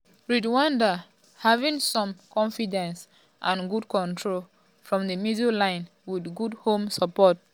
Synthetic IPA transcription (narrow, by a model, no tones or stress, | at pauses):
ɹidwãnda | havĩŋsɔ̃mkɔ̃nfidɛ̃ns | ʔãnɡudkɔ̃ntʰɹol | fɹɔ̃mdəmjizulãɪ̃n | widɡudhõmsəpɔt̚